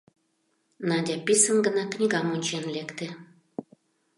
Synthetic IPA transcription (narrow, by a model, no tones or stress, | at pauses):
nɑdʲɑpisənɡə̆nɑknʲiɣɑmonʲt͡ɕenlekt̪ĕ